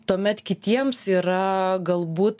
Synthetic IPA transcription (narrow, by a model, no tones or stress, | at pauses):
t̪uɔmʲɛt̪kʲɪt̪ʲiɛmsiːɾɐɡɐlˠbuːt̪